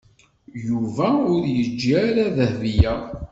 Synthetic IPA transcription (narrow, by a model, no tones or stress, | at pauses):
juvæʊɾjəd͡ʒːiaɾaðəhðijæ